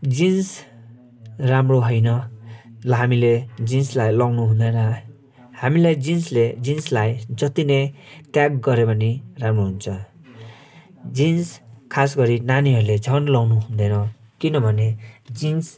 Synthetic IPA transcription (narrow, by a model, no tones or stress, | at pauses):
d͡zins | ramroɦʌjnʌ | lɦamiled͡zinslajlʌwnuɦund̪ʌjnʌ | hamilajd͡zinsled͡zinslajd͡zʌt̪inʌjʈjakɡʌɾepʌniramroɦunt͡sʰʌ | d͡zinskʰasɡʌɾinaniɦʌɾuled͡zʱʌnlʌwnuɦund̪ʌjnʌ | kinʌbʱʌned͡zins